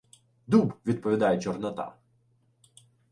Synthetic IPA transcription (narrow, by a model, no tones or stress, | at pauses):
d̪ubʋʲid̪̚pɔʋʲid̪ɑjɛt͡ʃɔrnɐt̪ɑ̰